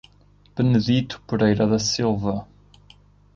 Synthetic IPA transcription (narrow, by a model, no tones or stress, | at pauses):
pɨnɨðit̪u̥puɾejɾɐðɐsilˠvɐ